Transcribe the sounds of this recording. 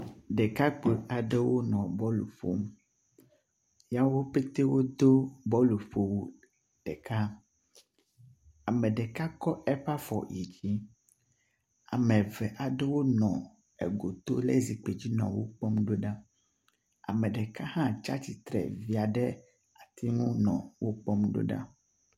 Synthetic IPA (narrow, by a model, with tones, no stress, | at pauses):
ɖɛ˨ka˦k͡pe˨a˨ɖɛ˦wo˦nɔ̃˨bɔ˦lṵ˨ɸo̰˦m˦ | ja˦wo˦pe˦t̪e˦wo˦d̪o˦bɔ˦lu˨ɸo˨wu˦ | ɖ̥ɛ˨ka˦ | a˨mɛ̃˨ɖɛ˨ka˦kɔ˦ʔɛ˦ɸa˦fɔ̰˨ji˨d͡ʑi˦ | a˨mɛ̃˨vɛ˨ʔa˨ɖɛ˦wo˦nɔ̃˨ | ɛ̰˨ɡo˨t̪o˦lɛ̰˦zi˨k͡pe˨d͡ʑi˦nɔ̰̃˨wo̰˦k͡pɔ˦mɖo˦ɖa˦ | a̰˨mɛ̃˨ɖɛ˨ka˦hã˦t͡ʃa̰˦t͡ɕi˨t̪ɾɛ̰˨vi˨a˨ɖɛ˦ | a˨t̪i˦ŋũ˦nɔ̃˨wo˦k͡pɔ˦mɖo̰˦ɖa̰˦